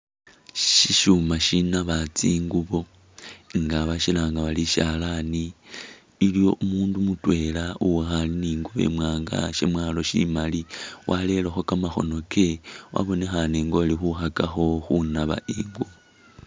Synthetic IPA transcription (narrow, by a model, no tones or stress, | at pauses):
ʃiʃumaʃinaβat͡siːŋɡuβo̞ | ŋɡaβaʃilaːŋɡaβaliʃalaniː | ljo̞ʔumuːndumutwe̞ːlauwexaliniːŋɡuβe̞̰mwaːŋɡa̰ʃe̞̰mwalo̞ʃḭmaliwʔale̞lexo̞kamaxo̞̰no̞kʰe̞wʔa̰βo̞nexaniːŋɡo̞lixuxakaxo̞xunaβa̰ʔiːŋɡuβo